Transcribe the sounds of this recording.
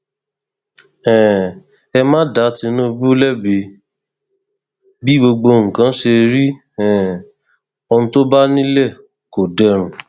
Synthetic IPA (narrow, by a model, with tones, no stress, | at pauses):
ɛ̃˨ | ɛ˧mãː˦da˨˦ti˧nũ˦˧bu˦lɛ˦˨bi˧˦ | bi˦ɡ͡bo˧ɡ͡bo˧ŋ̩̃˨kã˨˦ʃe˧ɾi˦ | ɛ̃˨ | o˧nũ˧to˦ba˦nĩ˦lɛ˦˨ | ko˨dɛ˧˨ɾ̃ũ˨